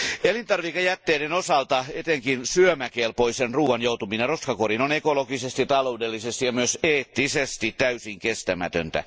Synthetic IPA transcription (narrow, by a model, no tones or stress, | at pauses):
elint̪ɑrʋikejæt̪ːeːɾenosɑlt̪ɑet̪eŋkinsyømækeːlpoisenruːɑnjout̪umineroskɑkorinonekolokisest̪iɑt̪ɑloudelːisest̪ijjɑmyøseːt̪ːisest̪it̪t̪æysiŋkest̪æmæt̪ø̰nt̪æ̰